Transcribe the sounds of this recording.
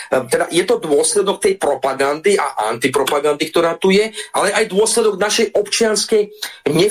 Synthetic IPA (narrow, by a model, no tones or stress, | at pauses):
t̪ɛd̪ajɛt̪ɔd̪ʊɔslɛd̪ɔk̚t̪ɛjpɾɔpaɡand̪iʔa̰ʔa̰nt̪ipɾɔpaɡand̪ikt̪ɔɾaːt̪ujɛʔalɛʔajd̪ʊɔslɛd̪ɔɡnaʃɛjʔɔpt͡ʃɪanskɛjɲɛ